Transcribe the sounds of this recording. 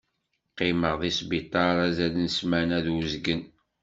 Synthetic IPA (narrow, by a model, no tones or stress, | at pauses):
qːɪməʁðisbit̪ˤːɑɾˤæzælənsmænæðəzɡən